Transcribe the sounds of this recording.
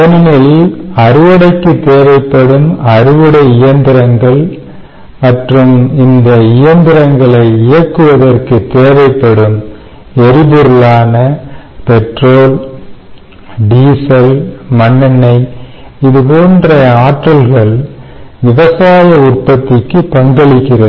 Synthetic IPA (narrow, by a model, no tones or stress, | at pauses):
ɐnɐnɛliɐɾɯʋɐɽɐɪkːɯt̪ːeːʋɐɪpːɐɽɯmɐɾɯʋɐɽɐɪɪjɐnd̪ɪɾɐŋɡɐɭ | mɐʈrɯmɪnd̪ɐɪjɐnd̪ɪɾɐŋɡɐɭɐɪɪjɐkːɯʋɐðɐrkɯt̪ːeːʋɐɪpːɐɽɯm | ɛɾɪbɯɾɯlaːnɐ | pɛʈroːl | ɖiːsɐlmɐɳːɐnɐɪ | ɪðɯpoːndrɐaːʈːɐlɣɐɭ | ʋɪʋɐsaːjɐʊrpɐt̪ːɪkːɯpɐŋɡɐɭɪkːɪrɐðɯ